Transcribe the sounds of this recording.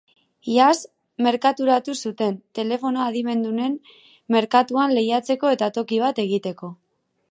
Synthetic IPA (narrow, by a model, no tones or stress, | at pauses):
ias | me̞ɾkat̪uɾat̪usut̪e̞nt̪e̞le̞fo̞noaðime̞nd̪une̞nː | e̞ɾkat̪uanle̞jat͡se̞ko̞e̞t̪at̪o̞kiβ̞at̪e̞ɣ̞it̪e̞ko̞